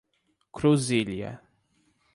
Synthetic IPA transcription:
kɾuziliɐ̰

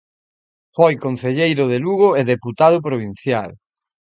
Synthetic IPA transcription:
fojkonθeʎejɾʊðeluɣoeðeput̪að̞ʊpɾoβ̞in̟θjal

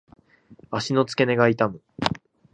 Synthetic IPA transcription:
aɕino̞t͡sɨ̥ke̞ne̞ɡait̪amɯ

